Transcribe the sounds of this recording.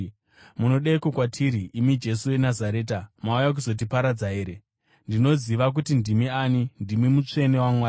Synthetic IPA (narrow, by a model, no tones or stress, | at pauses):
muno̞ɗeikokwatʰiːɾiʔːmid͡ʒe̞suwe̞nazaɾe̞ːtamaujak̬uzo̞t̬ipaɾad͡zaɦeːɾe | ndino̞ziʋak̬utindimiaːnindimimut͡ʂe̞ne̞wamwaːa